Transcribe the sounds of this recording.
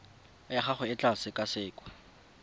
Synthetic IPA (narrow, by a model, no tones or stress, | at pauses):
jaχaχʊɪt͡ɬʼasɪkʼasɪːkʼɔ̥